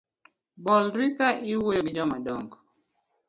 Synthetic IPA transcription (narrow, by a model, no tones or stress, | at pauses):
bɔlɾikaʔɪwojoɡd͡ʒɔmadɔŋɡɔ